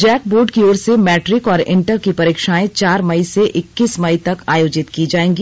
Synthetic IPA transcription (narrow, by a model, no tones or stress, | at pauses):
d͡ʒɛːk̚boːɾɖkioːɾsemɛːʈɾɪkɔːɾɪ̃ɳʈəɾkipɐɾiːkʃaːẽt͡ʃaːɾmɐiseʔɪkːismɐit̪ɐkaːjoːd͡ʒɪt̪kid͡ʒaːẽːŋɡiː